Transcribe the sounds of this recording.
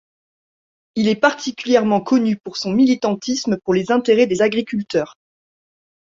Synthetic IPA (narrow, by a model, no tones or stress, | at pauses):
ilɛpaʁt̪ʰikʲyljɛʁmɑ̃kʰɔnypuʁsɔ̃milit̪ɑ̃t̪ʰismpuʁlezɛ̃t̪eʁɛd̪ezaɡʁikʲylt̪œːʁ